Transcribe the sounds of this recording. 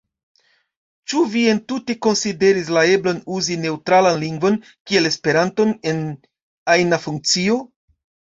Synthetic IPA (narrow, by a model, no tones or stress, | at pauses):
t͡ʃuvie̞ntute̞ko̞nside̞ɾis̬lae̞blonuzine̞wtɾalanliŋɡvo̞n | kie̞le̞spe̞ɾanto̞ne̞n | ajnafuŋk̚t͡sio̞